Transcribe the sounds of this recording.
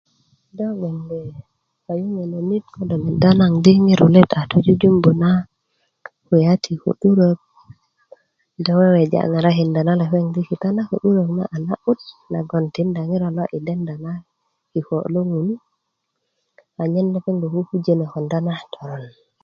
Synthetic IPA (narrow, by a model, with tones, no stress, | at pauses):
dɔ˦ɓɔ˨nbɛ˨ | a˨ju˦ŋe˨no˨nit̚kɔdɔ˨mi˨danaŋdi˦ŋi˦ɾu˨lɛta˨tu˦d͡ʒu˦d͡ʒu˦mbu˨na | ku˨jatʰi˨kṵ˨ɗu˦ɾok̚ | dɔwe˦we˨d͡ʒa̰˨ŋa˨ɾaɦinda˨na˦la˨feŋdiki˨tana˦ko̰˨ɗu˦ɾo˨kna̰ʔa˨naʔu˦t̚na̰˨ɡo˨nti˨nda˨ŋi˦ɾa˨lo˦ʔi˨dɛ˦nda˨na˦ | ki˨ko̰˨lu˦ŋun | a˨ɲɛ˦nːaki˦ŋɡo˨hufu˦d͡ʒene˨kɔ˨ndanatʰɔ˨ɾɔn